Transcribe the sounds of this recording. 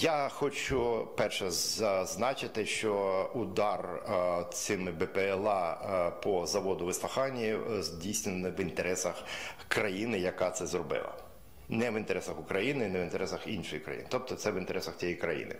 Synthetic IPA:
jaxɔt͡ʃʊpɛrʃɛzɐznɑt͡ʃɪt̪ɪʃt͡ʃɔʊd̪ɑrt̪sɪmɪbɛpeɛlˠɑpɔzɐʋɔd̪ʊʋɪslˠɐxɑnʲːizʲdʲijsʲnʲɪnʋint̪eɾɛsɐxkɾɐjinɪjɐkɑt̪sɛzrɔbɪ̰lˠɐ̰ | nɛʋɪnt̪eɾɛsɐxʊkɾɐjinɪnɛʋɪnt̪eɾɛsɐxinʃɔjikɾɐ̰jḭnɪt̪ɔp̚t̪ɔt̪sɛʋint̪eɾɛsɐxt͡sʲijijkɾɐ̰jḭnɪ̰

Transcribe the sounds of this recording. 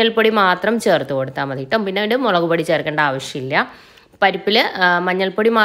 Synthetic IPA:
ɐlpoɽimaːt̪rɐmt͡ɕe̞ːrt̪ːuko̞ɽut̪ːaːmɐðiʈːɐmpinːeɽemoɭɐɣubɐɽit͡ɕe̞ːrkeːɳɖɐaːʋɐɕjɐmilːɐ | pɐɾipːilmɐɲːɐlpoɽimaː

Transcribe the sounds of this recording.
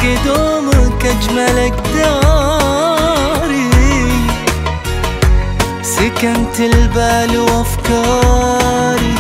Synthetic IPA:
ɪd̪omkad͡ʒmalak̚d̪ɑː | ɾi | sɪkant̪ɪlbaːlwafkɑː | ɾ

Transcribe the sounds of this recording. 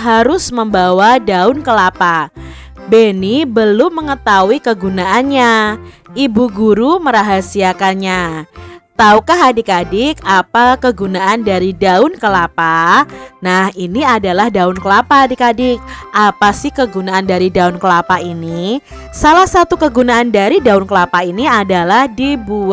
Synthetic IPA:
ɦaɾʊsməmbawadaʊnkəlapa | benibəlʊmːəŋət̪awikəɡunaʔanɲa | ibuɡuɾuməɾaɦasiakanɲa | t̪aukaɦadikadɪkapakəɡunaʔandaɾidaʊnkəlapanahiniadalahdaʊnkəlapaadikadɪk̚ʔapasɪhkəɡunaandaɾidaʊnkəlapaini | salahsat̪ukəɡunaːndaɾidaʊnkəlapainiadalahdibu

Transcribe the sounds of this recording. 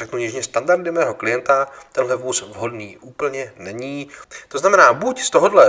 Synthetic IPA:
ɛknuɲɛʒɲɛst̪andaɾdɪmɛːɦo̞klɪjɛnt̪at̪ɛnɦlɛvuːsvɦo̞dniːʔuːpl̩ɲɛnɛɲiːt̪o̞znamɛnaːbucst̪o̞ɦo̞dlɛ

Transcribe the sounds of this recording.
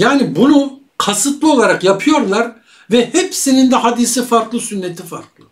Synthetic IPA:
jaːnibunu | kʰasɯt̪lˠɯo̞lˠaɾakjapʰɯjo̞ɾlˠaɾ | vɛhɛpsinind̪ɛɦad̪isifaɾklˠɯsynːet̪ʰifaɾklˠɯ

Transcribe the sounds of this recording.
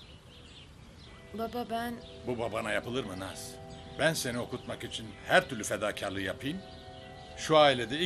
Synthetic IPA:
bababænbubabanajapʰɯlˠɯɾmɯnaz̥bænse̞nio̞kut̪makit͡ʃʰinhæɾt̪ʰyɾlʲyfe̞d̪aːcʰaɾlˠɯjapʰɯjm | ʃuaːilʲed̪ɛi

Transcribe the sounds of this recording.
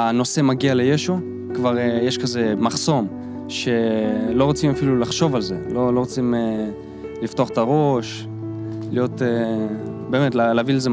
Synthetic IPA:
ano̞se̞maɡiale̞jeʃu | kvaʁejeʃkaze̞maχso̞m | ʃe̞lo̞ʁot͡simafilulaχʃo̞valze̞lo̞loʁot͡sime | liftoaχetaʁo̞ʃ | lijo̞te | beːme̞tlalaːvileze

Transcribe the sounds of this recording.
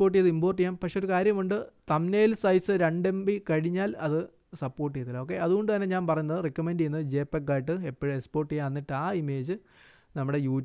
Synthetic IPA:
o̞ːʈ̬ːijɐðɨimboːrʈ̬ːijaːmpɐkʂeo̞ɾukaːɾjɐmuɳɖɨt̪ɐmneːlsɐjsɨɾeɳɖe̞mbikɐɻiɲːaːlɐðɨ | sɐpːo̞ːrʈ̬ːijeɐt̪ilːo̞ːk̬ːe̞ɐðuɣo̞ɳɖɨt̪ɐnːeɲaːnpɐrɐjunːɐðɨrikːɐmenɖiejnːɐðɨd͡ʑe̞ːpːekːaːjiʈ̬ːɨepːiɻekspo̞ːrʈːijaɐnːiʈːɨaːime̞ːd͡ʑɨ | nɐmːuɽe̞juː

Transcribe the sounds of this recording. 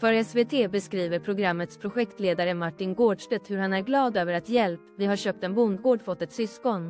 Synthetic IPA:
fœɾɛsveːt̪ʰeːbɛskɾiːvəɾpʰɾʊɡɾamːət̪spʰɾʊɧɛkt̪leːd̪aɾəmaʈːɪnɡoːɖʂʈɛt̪hɵɾhanæɾɡlɑːd̪øːvəɾat̪jɛlpvɪɦaɾɕøːp̚t̪ɛnbʊnd̪ɡoːɖfɔt̪ːɛt̪sʏskɔn

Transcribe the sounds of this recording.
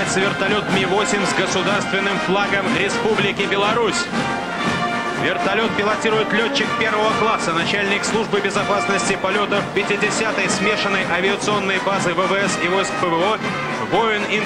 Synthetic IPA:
ɪt̪səvʲɪrt̪ɐlʲo̞t̪̚mʲivo̞sʲɪmʲzɡəsʊd̪arst̪vʲɪnːɨmflˠaɡəmɾʲɪspublʲɪkʲɪbʲɪlˠɐɾusʲ | vʲɪrt̪ɐlʲo̞t̪̚pʲɪlˠɐtʲiɾʊjɪt̪lʲoːɪkpʲe̞rvəvəklˠasənɐt͡ɕælʲnʲɪkslˠuʐbɨbʲɪzɐpasnəsʲtʲɪpɐlʲo̞t̪əfpʲɪtʲɪdʲɪsʲat̪əjsmʲe̞ʂənːəjʔɐvʲɪət̪sɨo̞nːəjbazɨvəvəɛsivo̞jskpəvəo | vo̞ɪni

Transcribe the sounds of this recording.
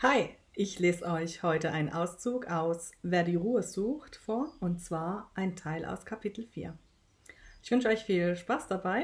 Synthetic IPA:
haɪ | ʔɪçleːzəʔɔʏçhɔʏtəʔaɪnnʔaʊst͡suːkʔaʊsveːɐdiːʁuːəzuːxtfoːɐʊnt̚t͡sv̥aːɐʔaɪntʰaɪlʔa̰ʊskʰapʰitl̩fḭːɐ | ʔɪçv̥ʏnʃəɔʏçfiːlʃpaːsd̥abaɪ

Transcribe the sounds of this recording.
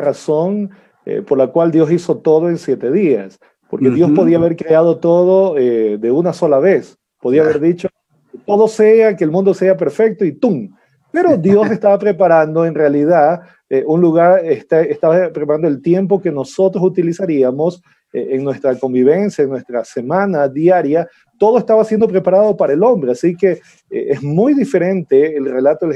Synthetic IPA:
raso̞n | ḛpo̞ɾlakwald̪jo̞siso̞t̪o̞ðoe̞nsje̞t̪e̞ðia̰s | po̞ɾkeðjo̞spoðiaːβe̞ɾkɾeað̞o̞t̪o̞ð̞o̞eðe̞unaso̞laβe̞s | po̞ðiaβeɾðit͡ʃo | t̪o̞ðo̞se̞akeːlmũnd̪o̞seap̬e̞ɾfek̚t̪oit̪uŋ | pe̞ɾo̞d̪jo̞se̞st̪aβapɾe̞paɾand̪o̞e̞nrealiða | eunluɣaɾest̪aest̪aβapɾepaɾand̪oelt̪je̞mpo̞ke̞no̞so̞t̪ɾosut̪ilisaɾiamo̞s | eeŋnwe̞st̪ɾako̞mbiβ̞e̞nsjaeŋnwest̪ɾase̞mãnaðjaɾja | t̪o̞ðoe̞st̪aβasje̞nd̪o̞pɾe̞paɾað̞o̞paɾaelo̞mbɾeasike̞̰ | ʔezmujðife̞ɾe̞nt̪e̞ːlre̞lat̪oe

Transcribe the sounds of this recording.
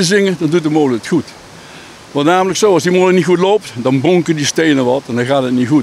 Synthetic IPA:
əzɪŋədɔndutəmoːləkətxut | ʋɔ̃ntnaːmələksoːɔsdimoːləknixutloːptdɔnboŋkədisteːnəʋɔtɛndɔxaːtətnixut

